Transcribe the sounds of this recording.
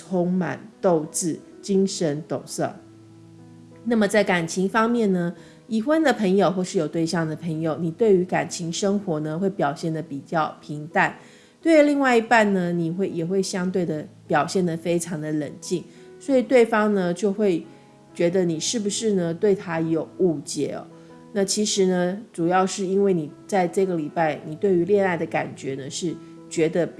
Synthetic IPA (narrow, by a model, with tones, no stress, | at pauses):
ʊ˥ŋma̰˨˩nt̪o˥˧ʊt͡sɹ̩˥˩ | t͡ɕi˥ŋʂə˧˥nt̪ʊ̰˨˩ŋsɤ̰˥˩ | na˥˩mə˩t͡sa˥˩ɪka˨˩nt͡ɕʰi˧˥ŋfɑ˥ŋmjɛ˥˩nnə˩ | i˨˩xwə˥nd̪ə˨pʰə˧˥ŋjo˨ʊxwɔ˥˧ʂɻ̩˥˩jo˨˩ʊt̪we˥˧ɪɕjɑ˥˩ŋd̪ə˩pʰə˧˥ŋjo˨ʊni˨˩t̪we˥˩ɪy˧˥ka˨˩nt͡ɕʰi˧˥ŋʂə˥ŋxwɔ˧˥nə˧xwe˥˩ɪpjɑ˨˩ʊɕjɛ˥˩nd̪ə˩pi˨˩t͡ɕjɑ˥˩ʊpʰi˧˥ŋt̪a˥˧n | t̪we˥˧ɪli˥˧ŋwa˥˩ɪi˧pa˥˩nnə˩ni˨˩xwe˥˩ɪjɛ˨˩xwe˥˩ɪɕjɑ˥ŋt̪we˥˩ɪd̪ə˩pjɑ˨˩ʊɕjɛ˥˩nd̪ə˩fe˥ɪʈ͡ʂʰɑ˧˥ŋd̪ə˧lə̰˨˩nt͡ɕi˥˩ŋ | swɔ˧˥i˨˩t̪we˥˩ɪfɑ˥ŋnə˧t͡ɕjo˥˧ʊxwe˥˩ɪ | t͡ɕɥɛ˧˥d̪ə˧ni˨˩ʂɻ̩˥˩bu˨˩ʂɻ̩˥˩nə˨t̪we˥˩ɪt̪ʰa˥jo˨˩ʊu˥˩t͡ɕjɛ̰˥ɔ̰˨˩˦ | na˥˩t͡ɕʰi˧˥ʂɻ̩˧˥nə˧ʈ͡ʂu˨˩jɑ˥˧ʊʂɻ̩˥˩i˥nwe˥˩ɪni˨˩t͡sa˥˧ɪʈ͡ʂɤ˥˩ɡə˩li˨˩pa˥˩ɪni˨˩t̪we˥˩ɪy˧˥ljɛ˥˧na˥˩ɪd̪ə˩ka˨˩nt͡ɕɥɛ˧˥nə˧ʂɻ̩˥˩ | t͡ɕɥɛ˧˥d̪ə˧